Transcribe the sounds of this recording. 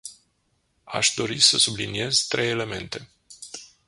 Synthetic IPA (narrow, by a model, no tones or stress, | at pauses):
a̰ʃd̪o̞ɾisəsublinie̞zt̪ɾʔeje̞le̞me̞̰nt̪e̞